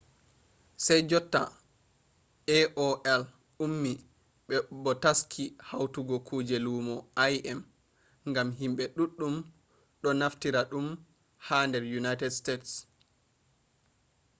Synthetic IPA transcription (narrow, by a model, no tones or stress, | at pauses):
sajd͡ʒɔtːa̰ | ʔɛʔɔʔɛl | umːi | ɓɛbɔtaskʰihawtuɡɔkʰuːd͡ʒɛlumɔajɛm | ŋɡamɦimɓɛɗuɗːum | ɗɔnaftiɾaɗum | handɛɾjunajtɛdstets